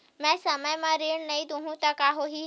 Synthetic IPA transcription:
mɛ̃sɐməjmãɾeːɽnɐĩd̪ũɦũt̪ɐkaɦoɦi

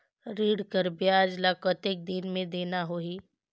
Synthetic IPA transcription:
ɾiːɽkəɾbjaːd͡ʒlakət̪ɪk̚d̪inmẽd̪eːnaɦoi

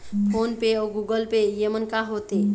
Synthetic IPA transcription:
pʰonpeɔɡuɡəlpejemənkaɦot̪e

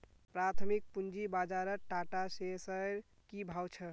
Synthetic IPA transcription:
pɾat̪ʰmik̚pund͡ʒibad͡ʒaɾəɾʈaʈasesəɾ | kibʱawt͡ʃʰə

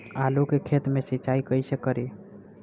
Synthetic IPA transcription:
alukekʰet̪mesit͡ʃaikəisekəɾi

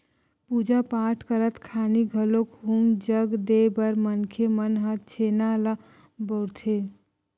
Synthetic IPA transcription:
puːd͡ʒapaːʈʰkəɾət̪kʰaːniɡʱəlokɦumd͡ʒəɡd̪ebəɾmənkʰemənɦət̪̚t͡ʃʰeːnala | bɔɽt̪ʰe

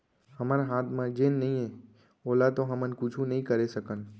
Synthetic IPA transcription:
hɐmaɾaɦaːt̪ʰmãd͡ʒenːɐɦĩɦɛ̃ | oːlat̪oɦɐmənkʊt͡ʃʰũnɐɦĩkɐɾesɐkən

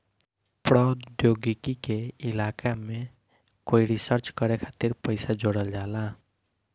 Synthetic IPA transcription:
pɾɔd̪joːɡɪkikeɪlaːkamẽ | koːiɾisəɾt͡ʃkəɾekʰaːt̪iɾpəɪsad͡ʒoːɽəld͡ʒaːlaː

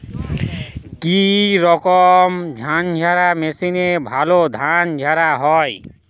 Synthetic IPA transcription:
kiɾɔkɔmd͡ʒʱand͡ʒʱaɾamesinebʱalod̪ʱand͡ʒʱaɾaɦɔj

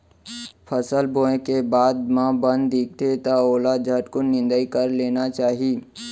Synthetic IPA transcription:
pʰəsəlbõːẽkebaːd̪mãbə̃nd̪d̪iːk̚ʰt̪et̪aoːlad͡ʒʱəʈkʊnːɪ̃nd̪əikəɾleːnat͡ʃaːɦii

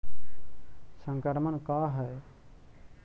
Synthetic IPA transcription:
sə̃ŋkəɾmənkaɦɛj

